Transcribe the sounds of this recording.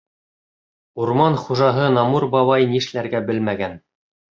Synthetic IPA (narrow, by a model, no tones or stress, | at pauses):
uɾmɑnχuʒɑɦɤnɑmuɾbɑβɑjniʃlæɾɡæbɘlmæɡæn